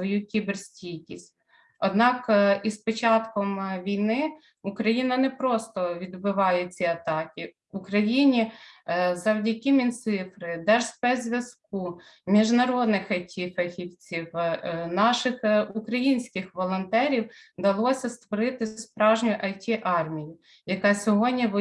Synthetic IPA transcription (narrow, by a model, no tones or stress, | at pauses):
ʋɔjukʲibersʲtʲijkʲisʲt̚ʲ | ɔd̪nɑkispɔt͡ʃɑt̪kɔmʋʲijnɪ | ukɾɐjinɐnɛpɾɔst̪ɔʋʲid̪bɪʋɑjɛt͡sʲiɐt̪ɑkʲi | ukɾɐjinʲi | zɐwdʲɐkʲimʲint̪sɪfɾɪd̪ɛʒspɛzʲʋʲjɐsk̚u | mʲiʒnɐɾɔd̪nɪxɐjtʲʰifɛxʲiwt͡sʲiwnɑʃɪxukɾɐjinʲsʲkɪxʋɔlˠɔnt̪ɛɾʲiw | d̪ɐlˠɔsʲɐst̪ʋɔɾɪt̪ɪspɾɑʒnʲʊjʔɐjtʲiʔɑrmʲijʊ | jɐkɑsʲɔɦɔdʲnʲiʋ